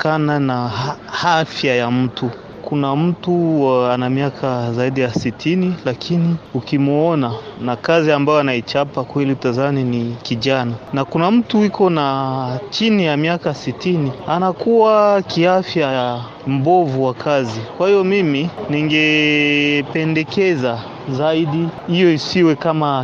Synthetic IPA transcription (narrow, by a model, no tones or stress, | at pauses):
kananahafjajam̩tu | kunam̩tuanamiakʰazaiɗijasitʰinilakʰiniukimuɔnanakaziambajɔanait͡ʃapakwɛliutazaninikiʄananakunam̩tuikʰɔnat͡ʃinijamiakasitinianakuwakiafja | m̩bɔvuwakʰazikwahijɔmiminiŋɡɛ | pɛndɛkɛza | zaiɗiijɔisiwɛkama